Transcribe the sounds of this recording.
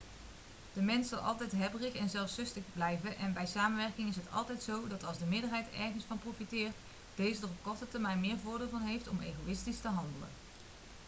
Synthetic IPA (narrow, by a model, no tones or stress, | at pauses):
d̥əmɛnsɑlˠɑ̰lˠtɛjtɦɛbrɪxɛnzɛlˠfsɵstəχblɛjvənʔɛnbɛjsaːmənʋɛɹkɪŋɪsɦətɑ̰lˠtɛjtsowdɑtɑlˠzdəmɪːdəɹɦɛjtɛ̰ɹχənsfɑnprofitɪːɹt | d̥ejzədərɔp̚kɔɹtətəɹmɛjnmɪːɹvʊːɹdɪːlˠvɑnɦejftɔmḛjɣowɪstistəɦɑndələ̰n